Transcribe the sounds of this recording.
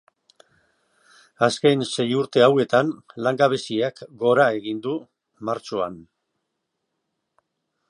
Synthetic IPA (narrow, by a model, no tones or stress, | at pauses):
aske̞jnse̞juɾt̪e̞awe̞t̪anlaŋɡaβe̞siakɡo̞ɾae̞ɣind̪u | maɾt͡ʃoa̰n